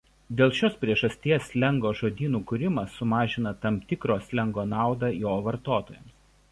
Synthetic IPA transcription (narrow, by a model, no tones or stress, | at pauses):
d̪ʲeːlˠʃʲoːspʲɾʲiɛʒɐsʲt̪ʲiɛslʲɛŋɡoːʒoːd̪ʲiːnuːkʊɾʲɪmɐsːʊmɑːʒʲɪnɐt̪ɐmt̪ʲɪkɾoːslʲɛŋɡoːnɑˑʊd̪ɐjoːʋɐɾt̪oːt̪oːjɛms